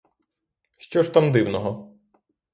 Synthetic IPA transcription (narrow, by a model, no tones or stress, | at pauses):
ʃt͡ʃɔʃt̪amd̪ɪwnɔɦɔ